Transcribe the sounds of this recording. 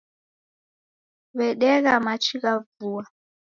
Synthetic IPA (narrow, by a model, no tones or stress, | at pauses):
βɛɗɛɣamat͡ʃʰiɣavuwa